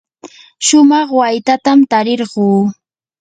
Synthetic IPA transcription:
ʃʊmɑχwajt̪at̪amt̪aɾɪɾɢuː

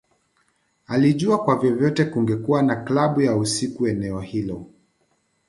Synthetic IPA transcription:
aliʄuakwavjɔvjɔtɛkuŋɡɛkuanaklaɓujausikuɛnɛɔhilɔ

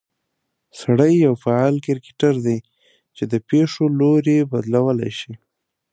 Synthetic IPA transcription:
saɽəjːawfaɑlkɪɾkɪ̥ʈaɾd̪aj | t͡ʃed̪əpeʂoloɾebad̪lawəla̰jʃi

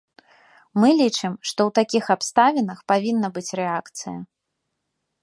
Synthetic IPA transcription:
mɨlʲit͡ʂɨmʂt̪ɔwt̪akʲixapst̪avʲɛnɐxpavʲinːɐbɨt͡sʲrɛakt̪sɨ̰jɐ̰

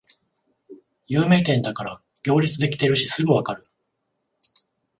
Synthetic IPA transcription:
jɯːme̞ːt̪ẽ̞nd̪akaɾa | ɡʲo̞ːɾʲit͡sɨd̪e̞kʲi̥t̪e̞ɾɯ̟ɕisɨɡɯ̟βakaɾɯ̟

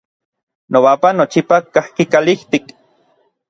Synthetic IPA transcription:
nowapanot͡ʃipakahkikaliht̪ik

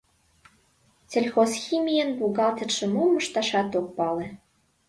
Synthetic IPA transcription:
t͡sʲelʲxosximʲijənbuɣɑlt̪ə̆ʃə̆momə̆ʃt̪ɑʃɑt̪ok̚pɑlĕ

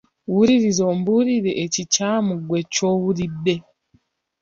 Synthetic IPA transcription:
wuɾiɾizoːmbuɾiɾeʔːcicaːmuɡwe̞co̞wuɾibːe

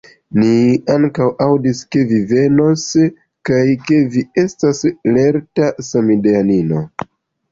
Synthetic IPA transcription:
niaŋkawawdiske̞vive̞no̞s | kajke̞vie̞stasle̞ɾtasamideanino̞

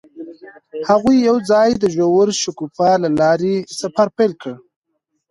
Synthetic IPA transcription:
haɣujːawd͡zɑjd̪əʒowəɾʃʊkufalalɑɾesafaɾpelkə

